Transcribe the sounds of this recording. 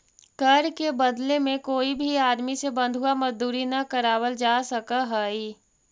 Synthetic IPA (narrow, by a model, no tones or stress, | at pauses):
kəɾkebəd̪lemẽkoːibʱiaːd̪misebə̃nd̪ʱɦʊwaməzd̪uːɾinakəɾaːwəld͡ʒaːsəkaɦəi